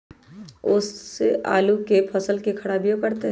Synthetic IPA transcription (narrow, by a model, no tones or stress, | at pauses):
ʊsːeʔa̰ːlukepʰɐsəlkekʰɐɽaːbijokɐɾt̪eɦ